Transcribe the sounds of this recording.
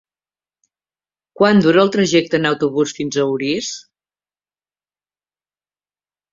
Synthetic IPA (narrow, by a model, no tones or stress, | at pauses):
kwand̪uɾəːlˠt̪ɾəʒɛk̚t̪ənəwt̪uβusfinzəwɾis